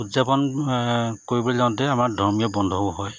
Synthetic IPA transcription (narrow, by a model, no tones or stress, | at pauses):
udzapɔn | koɹibɔlɛzãntɛamaɹdʱɔɹmijɔbɔndʱɔɦɔj